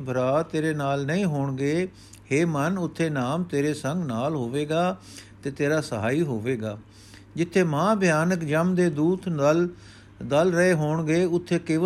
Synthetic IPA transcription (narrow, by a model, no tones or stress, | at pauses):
bʱəɾaːt̪eːɾeːnaːlnəĩːɦoːɳɡeː | heːmənʊt̪ʰːeːnaːmt̪eːɾeːsə̃ŋɡnaːlɦoːʋeːɡaː | t̪eːt̪eːɾaːsəɦaːiːɦoːʋeːɡaː | d͡ʒɪt̪ʰːeːmãːbʱɪjaːnəkd͡ʒəmd̪eːd̪uːt̪nəl | d̪əlɾəeːɦoːɳɡeːʊt̪ʰːeːkeːʋ